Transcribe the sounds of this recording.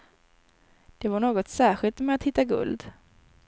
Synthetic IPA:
d̪̥ɛvaɳoːɡɔt̪sæːɧɪlt̪mɛat̪hɪt̪ːaɡɵ̰ld̪

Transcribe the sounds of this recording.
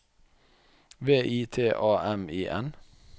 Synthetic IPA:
ʋeːʔiːt̪ʰeːʔɑːɛmiːʔɛ̰n

